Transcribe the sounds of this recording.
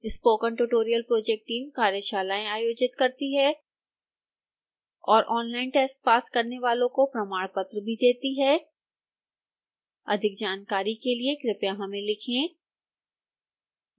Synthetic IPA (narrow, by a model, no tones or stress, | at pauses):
ɪspoːkə̃ɳʈuʈoːɾijəlpɾoːd͡ʒɛk̚ʈːiːmkaːɾjəʃaːlaːẽaːjoːd͡ʒɪt̪kɐɾt̪iɦɛ | ɔːɾʔɔːnlaːɪnʈɛːsspaːskɐɾneʋaːlõkopɾɐmaːɽpɐt̪ɾəbʱid̪eːt̪iɦɛː | ɐ̰d̪ʱɪk̚d͡ʒaːnkaːɾikeliekɾɪpjaɦɐmẽlɪkʰẽː